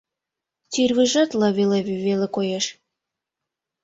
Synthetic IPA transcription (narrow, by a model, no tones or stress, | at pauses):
t̪yrβiʒɑt̪lɑβeleβyβelekojeʃ